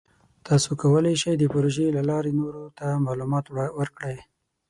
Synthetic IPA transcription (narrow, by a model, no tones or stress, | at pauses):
t̪ɑsokawəleʃajd̪əpʊɾoʒelalɑɾenoɾot̪amɑlumɑt̪wəɾkɽaj